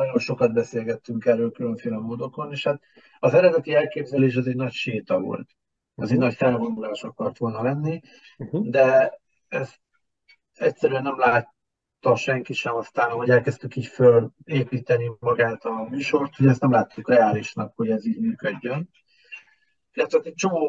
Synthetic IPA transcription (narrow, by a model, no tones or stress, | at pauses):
nɒɟo̞nʃo̞kɒd̪̚bɛseːlɡɛt̪ːyŋkɛrːøːlkylø̞ɱfeːlɛmoːd̪o̞ko̞neːʃhat̪̚ | ɒzɛɾɛd̪ɛt̪iɛlkeːbzɛleːʃ̬ɒzeɟnɒcʃeːt̪ɒvo̞̰lt̪ | ɛzɛɟnɒcfɛlɡond̪ulaːʃɒkɒrt̪ʋo̞lnɒlɛnːi | d̪ɛ | ɛst̪ | ɛcsɛɾyɛnːɛmlaːt̪ː | ɒʃɛŋkiʃɛmɒst̪aːnɦo̞ɟɛlkɛst̪ykiːcføleːpiːt̪ɛnimɒɡaːt̪ɒmyːʃo̞rt̪hoɟɛst̪nɛmlaːt̪ːukrɛaːliʃnɒkho̞ɟɛziːɟmyːkøɟːøn | ilːɛt̪ʋɛɛt̪ɛc̚t͡ʃo̞moː